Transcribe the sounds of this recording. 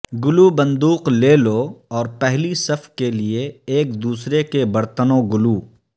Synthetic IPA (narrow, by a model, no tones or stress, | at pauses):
ɡʊlubɐ̃nd̪uːqleːloɔːɾpɛɦlisɐfʰkelieeːkd̪uːsɾekebɐɾt̪ənõɡʊluː